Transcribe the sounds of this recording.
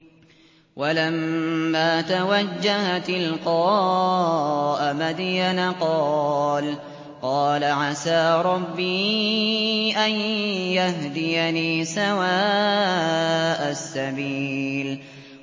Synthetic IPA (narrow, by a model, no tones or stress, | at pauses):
walamːaːt̪awad͡ʒːahat̪ɪlqɑ | ʔamad̪ijanaqɑːl | qɑːlaʕasaːɾˤɑbːiː | ʔanjaɦd̪ɪjaniːsawaː | ʔasːabiːl